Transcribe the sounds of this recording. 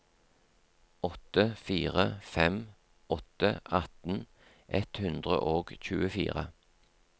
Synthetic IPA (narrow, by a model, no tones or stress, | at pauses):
ɔt̪əfiːʁəfɛm | ɔt̪əɑt̪n̩ | ʔɛt̪hʉnd̪ʁə̰ʔoːɡc͡çʉːəfḭːʁə